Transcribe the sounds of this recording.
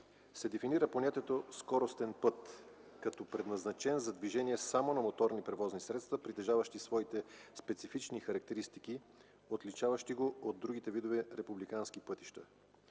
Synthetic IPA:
sɛd̪ɛfiniɾəponʲat̪iɛt̪oskɔɾost̪ɛnpɤt̪ | kɐt̪ɔpɾɛd̪nɐznɐt͡ʃɛnzɐd̪viʒɛniɛsamonɐmot̪ɔɾnipɾɛvɔznisɾɛt̪st̪vɐpɾit̪ɛʒavɐʃt̪isvɔit̪ɛspɛt̪sifit͡ʃnixɐɾɐk̚t̪ɛɾist̪iki | ot̪lit͡ʃavɐʃt̪iɡood̪ːɾuɡit̪ɛvid̪ovɛɾɛpublikanskipɤt̪i̥ʃt̪ə

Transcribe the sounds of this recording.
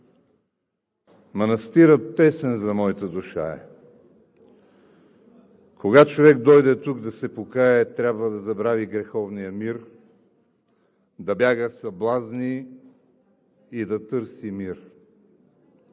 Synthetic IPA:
mɐnɐst̪iɾət̪ːɛsɛnzɐmɔit̪əd̪uʃa̰ɛ̰ | koɡat͡ʃovɛkd̪ɔjd̪ɛt̪uɡd̪ɐsɛpokaɛt̪ɾʲabvəd̪ɐzɐbɾaviɡɾɛxɔvnijəmiɾ | d̪ɐbjaɡəsɐblˠazni | d̪ɐt̪ɤɾsimiɾ

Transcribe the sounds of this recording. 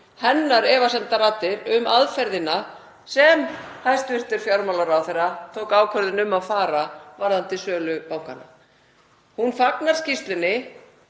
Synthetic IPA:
hɛnːaɾɛːvasɛmt̪aɾaːt̪ːɪɾʏmaðfɛɾðɪna | sɛmhajst̪vʏr̥t̪ɪɾ̥fjawɾmalaɾaːwθejrat̪ʰoːwkaːwkʰœɾðɪnʏmːaðfaːɾavaɾðant̪ɪsœːlʏpawŋka̰na | hunfaknaɾ̥scist̪lɪnːɪ

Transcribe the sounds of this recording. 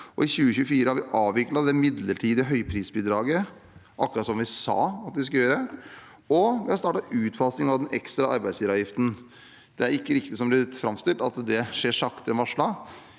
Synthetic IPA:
ɔɪçʉːəçʉːəfiːɾəhɑɾʋɪʔɑːʋʋɪklɑt̪d̪ɛmɪd̪ləʈʰiːd̪əəɦœʏpʰɾiːsbiːd̪ɾɑːɡə | ʔɑkːɾɑt̪sɔmʋɪsɑ̰ːɑt̪ʋɪskɑjøːɾəɛ | ɔʋɪhɑɾst̪ɑːʈɑʉːt̪fɑːsnɪŋɑʋd̪ɛnʔɛ̰kst̪ɾɑʔɑ̰ɾbæɪd̪sliːʋɑːʋjɪft̪n̩ | d̪̥ɛæɾɪkːəɾɪkt̪ɪsɔmblɪt̪fɾɑmst̪ɪlt̪ɑt̪d̪ɛʂeːʂɑkt̪əɾɛnʋɑʂɭɑ

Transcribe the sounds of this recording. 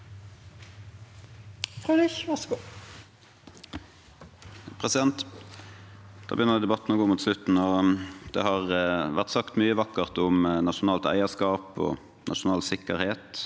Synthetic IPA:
fʁød̪ɪçʋɑsɡo | pʰʁɛsɪd̪ɛnt̪ | d̪̥ɑ̰ːbəjʏnəd̪ɛd̪ɛbɑt̪ːn̩oːɡoːmuːt̪slʉt̪n̩ɔd̪ɛ̰hɑʁʋæʁt̪sɑkt̪myːəʋɑkəʁt̪ʊmnɑʂʊnɑːlt̪æ̰ɪəskɑːpɔ̰ | nʔɑ̰ʂʊnɑːlsɪkːəʁheːt̪

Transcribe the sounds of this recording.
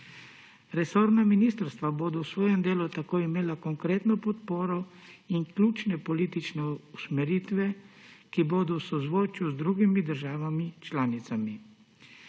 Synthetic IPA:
ɾɛsoːɾnaminiːst̪əɾst̪ʋaboːd̪ɔwsʋɔːjɛmd̪eːlut̪akoːjimeːlakɔŋkɾeːt̪nɔpɔt̪poːɾɔ | iŋklʲuːt͡ʃnɛpɔliːt̪it͡ʃnɛusmɛɾiːt̪ʋɛ | kiboːd̪ɔwsɔzʋoːt͡ʃuzd̪ɾuːɡimid̪əɾʒaːʋamit͡ʃlaːnit̪sami

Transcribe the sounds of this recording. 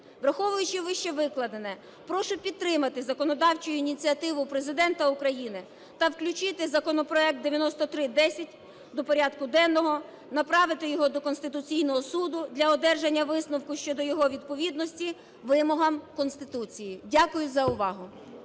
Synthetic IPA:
ʋɾɐxɔʋʊjʊt͡ʃɪʋɪʃt͡ʃɛʋɪklˠɐd̪enɛ | pɾɔʃɛpʲidt̪ːɾɪmɐt̪ɪzɐkɔnɔd̪ɑwt͡ʃʊjʊinʲit͡sʲiɐt̪ɪʋʊpɾezɪd̪ɛnt̪ɐʊkɾɐjinɪ | t̪ɐwklʲʊt͡ʃɪt̪ɪzɐkɔnɔpɾɔɛk̚t̪d̪eʋʲjɐnɔst̪ɔt̪ɾɪd̪ɛsʲɐtʲ | d̪ɔpɔɾʲɑd̪kʊd̪ɛnːɔɦɔ | nɐpɾɑʋɪt̪ɪjɔɦɔd̪ɔkɔnst̪ɪt̪ʊt͡sʲijnɔɦɔsud̪ʊd̪ʲlʲɐɔd̪ɛrʒenʲːɐʋɪsnɐwkʊʃt͡ʃɔd̪ɔjɔɦɔʋʲid̪̚pɔʋʲid̪nɔsʲtʲi | ʋɪmɔɦɐmkɔnst̪ɪt̪ut͡sʲijidʲakʊjʊzɐʊʋɑɦʊ

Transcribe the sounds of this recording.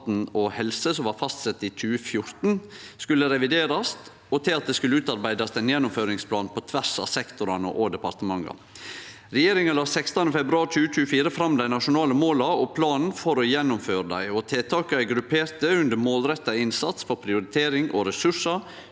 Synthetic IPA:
t̪n̩ɔhɛlsəsɔmʋɑːɾfɑst̪sɛt̪ːit͡ʃʰʉːəfjʊɾt̪nskʉlːəɾɛʋɪd̪eːɾɑst̪ | ɔt̪ʰɪlɑt̪̚d̪ɛːskʉləʉːt̪ɑɾbæɪd̪ɑst̪æɪnjɛnːʊmføːɾɪŋspʰlɑːnpʰɔt̪ʰʋæɾsɑ̰ːsɛkt̪ʊɾɑnə̰ʔɔd̪ɛpɑɾt̪əmɑŋːɑ̰ | ɾɛjeːɾɪŋəlɑːsɛkst̪ɑnəfɛbɾʉɑːɾt͡ʃʉːət͡ʃʉːəfiːɾəfɾɑmd̪æɪnɑʂʊnɑːləmoːlɑɔpʰlɑːnn̩fɔɾɔjɛnːʊmføːɾəd̪æ̰ɪɔt̪ʰeːt̪ʰɑːkəæɪɡɾʉpʰeːɾt̪əʉnd̪əɾmoːlɾɛt̪ːɑɪnsɑt̪sfɔɾpʰɾɪʊɾɪt̪ʰeːɾɪŋʔɔɾɛsʉʂɑɾ

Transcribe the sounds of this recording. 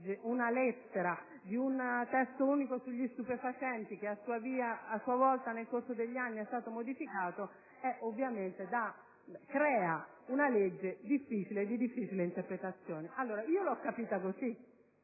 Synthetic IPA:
d͡ʒːeʔunalɛt̪ːeɾa | d̪iunt̪ɛst̪ouːnikosuʎːist̪upefat͡ʃɛnt̪ik̟easːuːaviːaːsːuːavɔlt̪anelkorsod̪eʎːianːiɛst̪aːt̪omod̪ifikaːt̪o | ɛʔovːjament̪ed̪a | kɾɛːa | unaled͡ʒːed̪ifːit͡ʃiled̪ːid̪ifːiːt͡ʃileint̪eɾpɾet̪at̪sːjɔːneʔalːoːɾaiːolɔkːapiːt̪akosi

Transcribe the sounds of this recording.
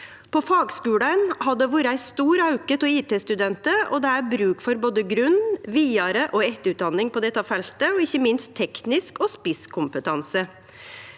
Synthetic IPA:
pʰɔfɑːɡskʉːɽənhɑd̪ɛʋuːɾəæɪst̪uːɾɑʉkət̪ɔiːt̪eːst̪ʉd̪ɛnt̪əɔ̰d̪ɛæɾbɾʉːkfɔɾboːd̪əɡɾʉnʋiːɑɾəʔɔɛt̪əʉt̪̚d̪ɑnːɪŋpʰɔd̪ɛt̪ːəɑːʋfɛlt̪əɔɪçːəmɪnstt̪ʰːɛknɪskɔspɪskʰʊmpət̪ʰɑnsə

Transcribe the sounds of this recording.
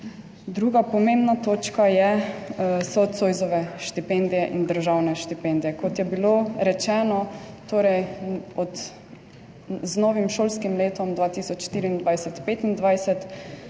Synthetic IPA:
d̪ɾuːɡapɔmẽmbnat̪oːt͡ʃkajɛ | sɔt̪soːjzɔʋɛʃt̪ipɛnd̪ijɛʔind̪əɾʒawnɛʃt̪ipɛnd̪ijɛkɔt̪jɛbiloɾɛt͡ʃɛːnɔ | t̪oːɾɛjɔt̪ | znoːʋimʃoːlskimleːt̪ɔmd̪ʋaːt̪isɔt͡ʃʃt̪iːɾiːnd̪ʋajsɛt̪peːt̪ind̪ʋajsɛt̪

